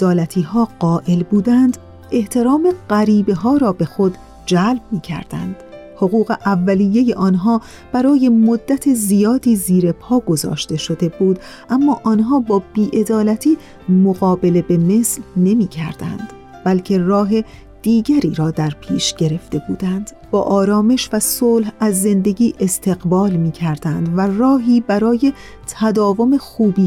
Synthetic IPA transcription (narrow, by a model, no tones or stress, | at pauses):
ed̪ɒːlæt̪ʰiːɦɒːɢɒːʔe̞lbuːd̪ænd̪ | e̞ht̪ʰe̞ɾɒːme̞ɢæɾiːbe̞ɦɒːɾɒːbe̞xod̪ | d͡ʒælb̚miːcʰæ̰ɾd̪̥æ̰nd̪̥ | ho̞ɣuːɣe̞ʔævːælijːe̞je̞ʔɒːnɦɒː | b̥æɾɒːje̞mod̪ːæt̪ʰezijɒːd̪iːziːɾe̞pʰɒːɡozɒ̰ːʃt̪e̞ʃo̞d̪e̞buːd̪ | ʔæmːɒːʔɒːnɦɒːbɒːbiːʔe̞d̪ɒːlæt̪ʰiː | moɣɒːbe̞le̞be̞me̞slne̞miːcʰæɾd̪æ̰nd̪̥ | b̥ælcʰe̞rɒːɦe̞ | d̪̥iːɟæɾiːɾɒːd̪æɾpʰiːʃɟ̥e̞ɾe̞ft̪e̞bṵːd̪ænd̪̥ | b̥ɒ̰ːʔɒːɾɒːmeʃvæsoːlhæzːe̞nd̪e̞ɟiːʔe̞st̪ʰe̞ɣbɒːlmiːcʰæɾd̪̥ænd̪værɒːɦiːbæɾɒːje̞ | t̪ʰæd̪ɒːvo̞me̞xuːbiː